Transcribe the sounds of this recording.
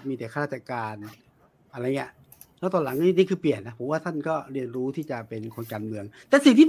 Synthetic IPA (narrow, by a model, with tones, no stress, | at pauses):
miː˧t̪ɛː˨˩kʰa˧ɾaː˥˩t̪ʰːa˧kaː˧n | ʔa˧ɾa˧jŋi˥ɐʔ | lɛː˦˥˩t̪ɔ˧la˩˦ŋ˧iː˧˥˩niː˥˩kʰɯː˧pli˨˩ənːa˦˥pʰo˨˦waː˥˩t̪ʰa˥˩nkɔː˥˩ɾi˧˩ənɾuː˦˥t̪ʰiː˥˩t͡ɕa˨˩pe˧nkʰo˧nkaː˧nmɯ˧əŋt̪ɛː˨˩si˨˩ŋt̪ʰiː˥˩